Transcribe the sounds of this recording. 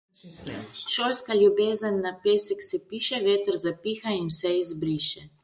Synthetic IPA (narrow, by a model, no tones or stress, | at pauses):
ʃoːlskaljubeːzənːapeːsɛksɛpiːʃɛʋeːt̪əɾzapiːxainwsɛizbɾiːʃɛ